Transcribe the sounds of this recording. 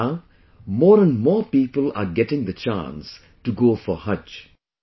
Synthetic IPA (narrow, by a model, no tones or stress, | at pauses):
mɔːɾə̃nmɔːpiːpəla̰ɡɛʈɪ̃ŋd̪ət͡ʃã̰ns | ʈuɡoːfɔhʌt͡ʃ